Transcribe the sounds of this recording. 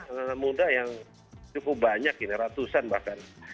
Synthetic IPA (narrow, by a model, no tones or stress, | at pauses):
əmudajaŋ | t͡ʃukʊp̚baɲakiniɾat̪usanba̰hkan